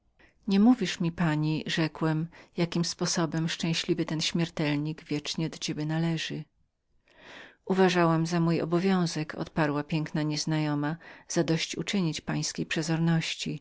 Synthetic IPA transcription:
ɲɛmuvʲiʂmʲipaɲiʐɛkwɛmjakʲimspɔsɔbɛmʂt͡ʂɛ̃w̃ɕlʲivɘt̪ɛnɕmʲjɛɾt̪ɛlɲiɡvʲjɛt͡ʂɲɛd̪ɔt͡ɕebʲɛnalɛʐɘ | uvaʐawamzamujɔ̰bɔvʲjɔ̃w̃zɛkʰɔ̰t̪paɾwapʲjɛŋknaɲɛznajɔmaz̥ad̪ɔɕt͡ɕṵt͡ʂɘɲit͡ɕpaj̃skʲejpʂɛzɔɾnɔɕt͡ɕi

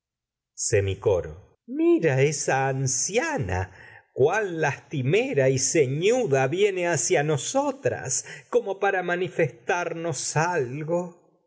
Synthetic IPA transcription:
semiko̞̰ɾo̰ | miɾaesaːnsjana̰kwalːast̪imeɾaiseɲuðaβje̞neasjano̞sot̪ɾa̰sko̞mopaɾamanifest̪aɾno̞salɣo

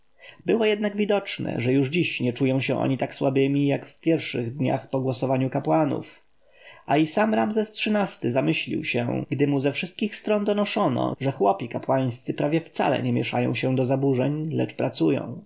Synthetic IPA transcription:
bɘwɔjɛd̪naɡvʲid̪ɔt͡ʂnɛ̰ʐɛjuʐd͡ʑiɕɲɛt͡ʂujɔ̃w̃ɕɛ̰ʔɔ̰ɲit̪akswabɘmʲijakfpʲjɛɾfʂɘɣd̪ɲa̰xpɔɡwɔsɔvaɲukapwanṵf | ʔaisamɾamzɛstʂɘnast̪ɘzamɘɕlʲḭwɕɛ̰ɡd̪ɘmuzɛfʂɘst̪̚kʲixst̪ɾɔnd̪ɔnɔʂɔnɔ̰ʐɛxwɔpʲikapwaj̃st̪sɘpɾavʲjɛft̪sa̰lɛ̰ɲɛmʲjɛʂajɔ̰̃w̃ɕɛd̪ɔzabuʐɛɲlɛ̰t͡ʂpɾat̪sujɔ̰̃w̃

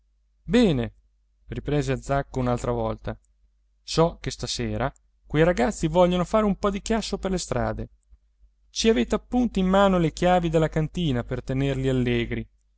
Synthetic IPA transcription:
bɛːne | ripɾeːzead̪zakːounalt̪ɾavɔlt̪a | sɔkest̪aseːɾa | kwejɾaɡat̪sːivɔʎːonofaːɾeumpɔd̪ikjasːoperlest̪ɾa̰ːd̪e | t͡ʃiaveːt̪eapːunt̪oimːaːnolek̟jaːvid̪elːakant̪iːnapert̪enerlialːeːɡɾi

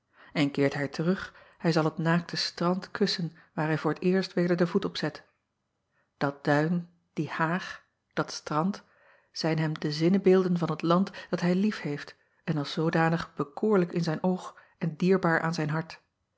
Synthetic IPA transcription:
ɛnkɪːɹtɦɛjtʰərɵχ | hɛjzɑlˠɦətnaːk̚tʰəstrɑntkʰɵsən | ʋaːɹɦɛjvʊːɹətɪːɹstʋejdəɹdəvutɔpsɛt | d̥ɑt̚d̥œɥn | d̥ihaːχ | d̥ɑtstrɑnt | z̥ɛjnɦɛmdəzɪnəbeːlˠdənvɑnɦətlɑntd̥ɑtɦɛjlifhejft | ɛnɑlˠsowdaːnəχb̥əkʊːɹləkɪnzɛjnʔowχ | ɛndiːɹbaːɹʔa̰ːnzɛjnɦɑɹt

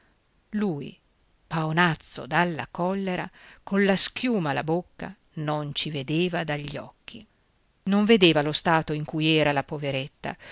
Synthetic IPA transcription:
luːj | paonat̪sːo̰d̪alːa̰kɔlːeɾa̰konlaskjuːmalabokːa̰ | nont͡ʃived̪eːvad̪aʎːɔ̰kʰːi | noɱved̪eːvalost̪aːt̪oiŋkuːjɛːɾalapoveɾet̪ːa̰

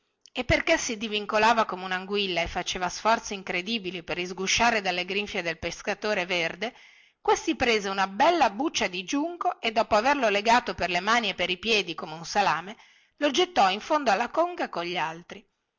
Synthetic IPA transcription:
epːerkesid̪iviŋkolaːvakomeunaŋɡwilːaefːat͡ʃeːvasfɔrt̪siiŋkɾed̪iːbiliperizɡuʃaːɾed̪alːeɡɾiɱfjed̪elpeskat̪oːɾeverd̪e | kwest̪ipɾeːzeunabɛlːabut͡ʃːad̪id͡ʒuŋkoʔed̪ːɔːpoaverloleɡaːt̪operlemaːniepːeɾipjɛːd̪ikomeunsalaːme | lod͡ʒet̪ːɔiɱfond̪oalːakoŋɡakoɲʎːalt̪ɾi

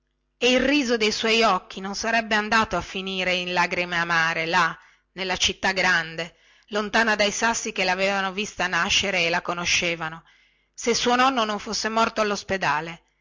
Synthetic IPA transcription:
eilriːzod̪ejswɔjɔkːinonsaɾɛbːeand̪aːt̪oafːiniːɾeinlaɡɾimeamaːɾela | nelːat͡ʃit̪ːaɡɾand̪e | lont̪aːnad̪ajsasːikelaveːvanovist̪anaʃːeɾeːlakonoʃːeːvano | sesuonɔnːonoɱfosːemɔrt̪oalːosped̪aːle

